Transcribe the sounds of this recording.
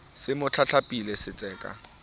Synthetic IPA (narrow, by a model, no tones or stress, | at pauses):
sɪmʊt͡ɬʰat͡ɬʰapʼilesɪt͡sʼɛːkʼa̰